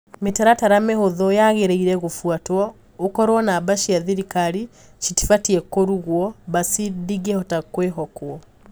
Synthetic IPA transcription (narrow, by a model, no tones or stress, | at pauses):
metaɾataɾamehoðɔjaɣeɾeiɾɛɣofwatwɔ | okɔɾwɔnabaʃiaðiɾikaɾi | ʃiti̥fatiɛkoɾuɣwɔβasidiɣehɔtakweɦɔkwɔ